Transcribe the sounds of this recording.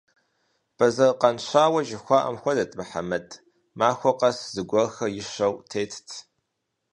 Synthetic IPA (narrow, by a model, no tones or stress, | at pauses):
b̥ɐzɐrqɐnɕʷaːwɐʒɪxʷɑːʔɐ̰mxʷɔdɐtʼmɨħa̰mɐtʼ | maːxʷɔqɐszɨɡʷɔxɐjɪʃɐwtʰeːtʰtʰ